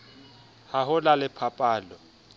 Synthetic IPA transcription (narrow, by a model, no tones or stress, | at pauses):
haɦʊlalɪpʰapʼaːlɔ